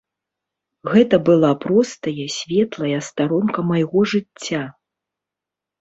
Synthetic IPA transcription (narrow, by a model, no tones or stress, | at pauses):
ɣɛt̪ɐbɨlˠapɾɔst̪ɐjɐsʲvʲɛt̪lˠɐjɐst̪aɾɔnkɐmɐjɣɔʐɨt͡sʲːa